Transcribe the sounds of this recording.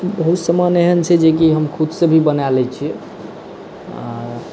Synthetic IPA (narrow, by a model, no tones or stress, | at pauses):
bəɦut̪səməneɦənt͡ʃʰɛd͡ʒek̬iɦəmkʰud̪sebʱibənalɛt͡ʃʰi | a̰ɾ